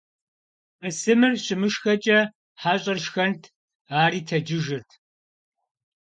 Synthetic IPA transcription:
ɐsɨmɨrɕʼɪmɨʂxɐt͡ʃʼɐ | ħaːɕʼɐrʂxɐntʰ | aːɾiːtʰɐd͡ʒɪʒɨrtʰ

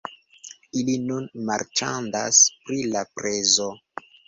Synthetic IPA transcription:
ilinunmaɾt͡ʃandaspɾilapɾezo

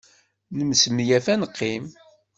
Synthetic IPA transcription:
nəmsəmjæfænəqʰːim

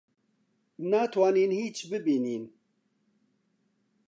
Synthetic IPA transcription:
naːt̪ʰwaːniːnhiːt͡ʃbɨbiːniːn

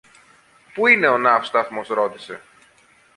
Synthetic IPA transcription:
puine̞o̞nɐfst̪ɐθmo̞sɾo̞t̪ise̞̰

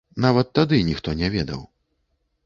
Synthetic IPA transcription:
navɐt̪ːad̪ɨnʲixt̪ɔnʲɛvʲɛd̪ɐ̰w

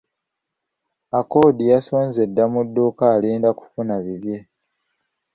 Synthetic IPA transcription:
ako̞ːdijaso̞ːnze̞dːamudːoːkaːliːndaku̥funaβiβje̞

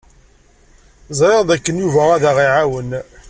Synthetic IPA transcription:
zˤɾeʁd̪ækːənjuvæʁæðæʁiʕawən

